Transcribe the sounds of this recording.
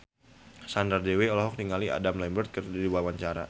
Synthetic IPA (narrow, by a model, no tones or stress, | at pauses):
sandardeweɔlɔɦɔk̚niŋalia̰damlɛmbərt̪̚kərdidibuawaɲt͡ʃaɾa̰